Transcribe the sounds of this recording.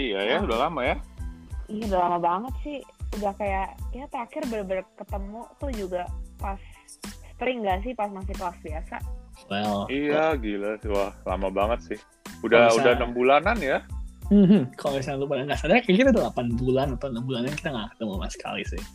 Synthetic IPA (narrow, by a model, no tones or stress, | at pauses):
ijajaudahlamaja | ijaudahlamabaŋət̪̚sɪhudahkajaʔiat̪əɾakɪrbərbərkət̪əmut̪ʊhd͡ʒuɡapasː | ə̥t̪əɾɪŋɡas̬ɪhpas̬masɪklasbiasa̰wɛlijaɡilawahla̰mabaŋət̪̚sɪh | udahudahnəmbulananjam̩ɦ̩kaomisalupanaŋɡasadaakakit̪adalapanbulanat̪anəmbulanaki̥t̪aŋaʔkdaama̰sə̥kʰa̰lisɪ̰h